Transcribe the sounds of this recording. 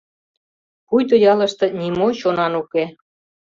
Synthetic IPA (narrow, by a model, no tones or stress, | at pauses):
kujd̪ŏjɑlə̆ʃt̪ɤ̆nʲimoɕonɑnuke